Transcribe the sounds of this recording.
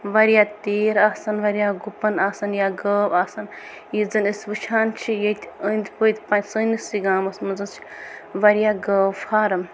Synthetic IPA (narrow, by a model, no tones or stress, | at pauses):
ʋɐɾjaːt̪eːɾaːsɐnʋɐɾijaːɡupɐnaːsɐnjaɡəːbaːsɐn | jizɨnɨsʲʋɨt͡ʃʰaːnt͡ʃʰijɐt̪ʰʲənd̪ʲpət̪ʰʲpant͡ʃsɨːnɨsiɡaːmɐsmɐnzɨnt͡ʃʰi̥ʋɐɾjaːɡəːfʰaːɾɐm